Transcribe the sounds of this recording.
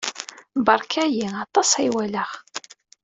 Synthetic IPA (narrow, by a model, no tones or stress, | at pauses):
bɑɾˤkʰæjiɑt̪ˤɑsæjwælæʁ